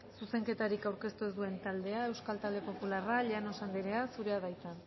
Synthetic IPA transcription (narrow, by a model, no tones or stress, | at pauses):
suse̞ŋke̞t̪aɾikawɾke̞st̪uezd̪ue̞nt̪ald̪e̞ae̞wskalt̪ald̪e̞po̞pularaʎeano̞sand̪iɾe̞asuɾe̞aðajt͡s̪an